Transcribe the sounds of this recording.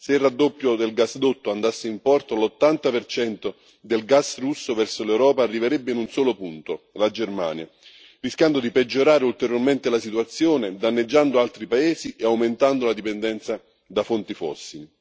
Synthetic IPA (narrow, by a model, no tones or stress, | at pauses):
seilrːad̪ːopːjod̪elɡasd̪ot̪ːoand̪asːeimpɔrt̪olot̪ːant̪apert͡ʃɛnt̪o | d̪elɡasrusːovɛrsolewɾɔːpaːrːiveɾɛbːeinunsɔːlopunt̪olad͡ʒerma̰ːnja̰ | riskjand̪od̪iped͡ʒːoɾaːɾeult̪eɾjorment̪elasit̪uat̪sːjoːned̪anːed͡ʒːand̪oalt̪ɾipaeːsiʔeawment̪and̪olad̪ipend̪ɛnt̪sa | d̪afont̪ifɔ̰sːili